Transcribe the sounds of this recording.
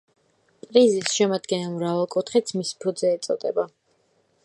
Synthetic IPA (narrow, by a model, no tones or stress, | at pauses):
pʼɾizisʃɛmad̪ɡɛnɛlˠmɾavalˠkʼut̪ʰχit̪sʰmispʰud̪zɛːt̪sʼɔ̰d̪ɛba